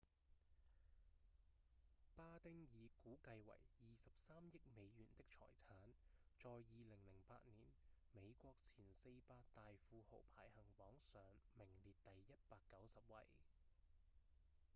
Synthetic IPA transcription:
paː˥t̪ɪ˥ŋjiː˨˧kuː˨˥kɐ˧jwɐ̰˨˩jjiː˨sɐ˨p̚saː˥mjɪ˥k̚me˨˧jjyː˨˩nt̪ɪ˥k̚t͡sʰɔ̰ː˨˩jt͡sʰaː˨˥nt͡sɔː˨˧jːiː˨lɪ˨˩ŋlɪ˨˩ŋpaː˧t̚niː˨˩nme˨˧jkʷɔː˧k̚t͡sʰiː˨˩nse˧jpaː˧k̚t̪aː˨jfuː˧ho̰˨˩wpʰaː˨˥jhɐ˨˩ŋpɔː˨˥ŋsœː˨˧ŋmɪ˨˩ŋliː˨t̚t̪ɐ˨jːɐ˥t̚paː˧kːɐ˨˥wsɐ˨p̚wɐ̰˨˩j

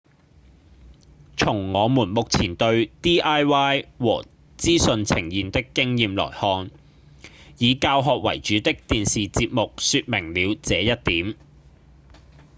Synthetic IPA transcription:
t͡sʰʊ˨˩ŋːɔː˨˧muː˨˩nmʊ˨k̚t͡sʰiː˨˩nt̪ɵ˧ɥt̪iː˥ʔaː˥jwaː˥jwɔː˨˩ | t͡siː˥sɵ˧nt͡sʰɪ˨˩ŋjiː˨nt̪ɪ˥kːɪ˥ŋjiː˨˧mlɔ̰ː˨˩jhɔː˧n | jiː˨˧kaː˧wɦɔː˨k̚wɐ̰˨˩jt͡ʃyː˨˥t̪ɪ˥k̚t̪iː˨nsiː˨t͡siː˧p̚mʊ˨k̚syː˧t̚mɪ˨˩ŋliː˨˧wt͡sɛː˨˧jɐ˥t̚t̪iː˨˥m

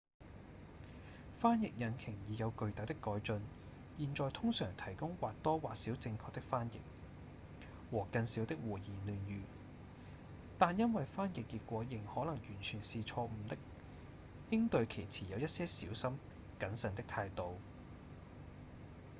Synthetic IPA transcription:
faː˥njɪ˨k̚jɐ˨nkʰɪ˨˩ŋjiː˨˧jɐ˨˧wkɵ˧ɥt̪a˨˥t̪ɪ˥kːɔː˨˥jt͡ʃɵ˧n | jiː˨nt͡sɔː˨jt̪ʰʊ˥ŋsœ̰ː˨˩ŋt̪ʰɐ˨˩jkʊ˥ŋwaː˨t̚t̪ɔː˥waː˨t̚siː˨˥wt͡sɪ˧ŋkʰɔː˧k̚t̪ɪ˥k̚faː˥njɪ̰˨k̚ | wɔː˨˩kɐ˧nsiː˨˥wt̪ɪ˥k̚wuː˨˩jiː˨˩lyː˨njyː˨ | t̪aː˨njɐ˥nwɐ˨jfaː˥njɪ˨kːiː˧t̚kʷɔː˨˥jɪ˨˩ŋhɔː˨˥lɐ˨˩ŋjyː˨˩nt͡ʃʰyː˨˩nsiː˨t͡sʰɔː˧m̩˨˧t̪ɪ˥k̚ | jɪ˥ŋt̪ɵ˧ɥkʰe˨˩jt͡sʰiː˨˩jɐ˨˧wjɐ˥t̚sɛː˥siː˨˥wsɐ˥m | kɐ˨˥nsɐ˨˧nt̪ɪ˥k̚t̪ʰaː˧jt̪o˨˧w

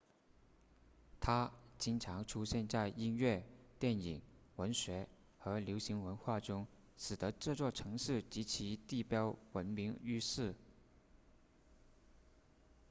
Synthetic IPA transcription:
t̪ʰa˥t͡ɕi˥nʈ͡ʂʰɑ˧˥ŋʈ͡ʂʰu˥ɕjɛ˥˧nt͡sa˥˩ɪi˥nɥɛ˥˩t̪jɛ˥˩ni˨˩˦ŋwə˧˥nɕɥɛ˧˥ | xɤ˧˥ljo˧˥ʊɕi˧˥ŋwə˧˥nxwa˥˩ʈ͡ʂʊ˥ŋ | ʂɻ̩˨˩d̪ə˧˦ʈ͡ʂɤ˥˧t͡swɔ˥˩ʈ͡ʂʰɤ˧˥ŋʂɻ̩˥˩t͡ɕi˧˥t͡ɕʰi˧˥t̪i˥˩pjɑ˥ʊwə˧˥nmi˧˥ŋy˥ʂɻ̩˥˩

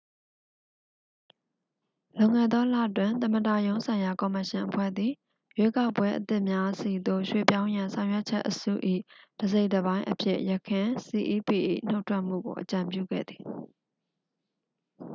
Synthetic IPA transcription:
lõ˨ŋɛ̰˦˨d̪ɔ˦lä̰˦˨twɪ̃˨nt̪ə˨mə˨da˨jõ˦ʊ̃nsʰã˨ɪ̃ja˨kɔ˨mə˨ʃɪ̃˨ʔəpʰwɛ̰˦˨d̪ði˨ | je˦ka˦ʊpwɛ˦ʔət̪ɪ˦ʔmja˦si˨d̪o˦˨ʃwḛ˦˨pjã˦ʊ̃jã˨sʰã˨ʊ̃jwɛ˦ʔt͡ɕʰɛ̰˦ʔːəsṵ˦˨ʔḭ˦˨d̥əze˦ɪtəβã˦ɪ̃ʔəpʰjɪ̰˦˨ʔjə˨kʰɪ̃˨si˨ʔi˦pi˨ʔḭ˦˨n̥o˦ʊtʰwɛ˦ʔm̥ṵ˦˨ɡo̰˨ʔət͡ɕã˨mpjṵ˦˨ɡɛ̰˦˨d̪ði̥˨

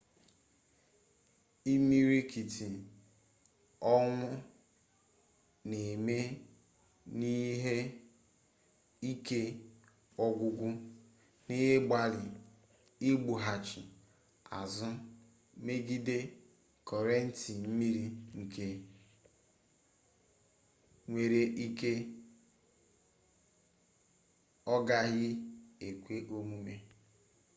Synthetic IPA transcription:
i˦mi˦ɾi˦ki˨tʰi˨ | ɔ˦ŋʷʊ˦ | ne˨me˦ | ni˦ɦe˦ | i˦ke˦ | ɔ˦ɡʷʊ˦ɡʷʊ˦ | ni˦ɦe˦ɡ͡ba˨lɪ˨ | i˦ɡ͡bu˨ɦa˨t͡ʃɪ˨ | a̰˨zʊ˦ | me˦ɡi˦de˦ | kʰɔ˨ɾe˦n̩˦ti˨m̩˦mi˦ɾi˦ŋ̩˨ke˦ | ŋʷe˨ɾe˦ʔi˦ke˦ | ɔ˦ɡa˦ɦɪ˦e˨kʷe˦ʔo˦mu˦me˦

